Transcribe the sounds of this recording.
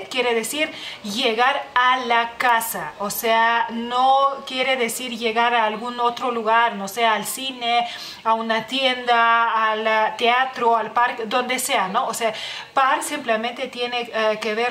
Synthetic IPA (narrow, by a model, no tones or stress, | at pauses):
kjeɾeðesiɾʝeɣaɾalakasa̰oseanokje̞ɾeðesiɾʝe̞ɣaɾaːlɣuno̞t̪ɾoluɣaɾno̞seaːlsine | aunat̪je̞nd̪aːlt̪eat̪ɾoalpaɾkd̪o̞nd̪e̞seano̞oseapaɾsimplemẽnt̪e̞t̪jenekeβe